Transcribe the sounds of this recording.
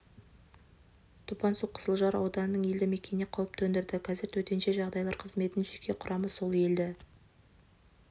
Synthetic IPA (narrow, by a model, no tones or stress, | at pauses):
t̪ʰupɑnsuqʰːə̥zəlˠʒɑɾɑ̰wd̪ɑnənəɴe̞ld̪ɪme̞kʲe̞neqʰɑwəp̚t̪ʰɵnd̪ɪɾd̪ɪqʰɑzɪɾt̪ʰɵt̪e̞nʃe̞ʒɑʁd̪ɑjlˠɑɾqʰəzme̞t̪ɪnʒe̞kʲʰe̞qʰʊɾʔɑməso̞lˠe̞ld̪ɪ